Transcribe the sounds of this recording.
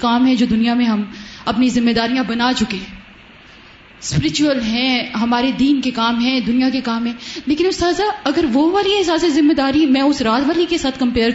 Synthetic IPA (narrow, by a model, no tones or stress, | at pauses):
kaːmɦɛ̃d͡ʒoːd̪ʊnijamẽɦɐmɐpnizɪmːeːd̪aːɾijãbɐnat͡ʃʊkeː | spɪɾɪt͡ʃuəlɦɛ̃ɦɐmaːɾed̪iːnkekaːmɦɛ̃d̪ʊnijakekaːmɦɛ̃leːkɪnʊst̪aːzaɐɡəɾʋoʋaːliɦɪsaːsezɪmːed̪aːɾimɛ̃ːʊsɾaːt̪ʋaːlikesaːt̪ʰkɐ̃mpeːɾ